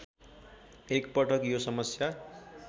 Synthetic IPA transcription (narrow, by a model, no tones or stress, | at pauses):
ekpʌʈʰʌkjosʌmʌsja